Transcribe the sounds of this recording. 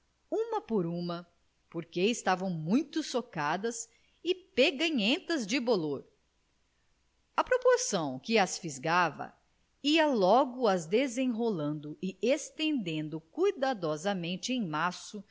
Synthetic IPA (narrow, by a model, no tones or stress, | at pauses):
ũmɐpoɾũmɐ | poɾkeɪst̪avɐ̃w̃mũj̃t̪ʊsokad̪ɐs | ɪpeɡɐ̃jẽt̪ɐzd͡ʒɪboloɾ | ɐpɾopoɾsɐ̃w̃kɪɐsfizɡavɐ̰ | iɐlɔɡʊɐzd̪ezẽɦolɐ̃nd̪ʊɪest̪ẽnd̪ẽnd̪ʊkujd̪ad̪ɔzɐmẽnt͡ʃɪẽj̃masʊ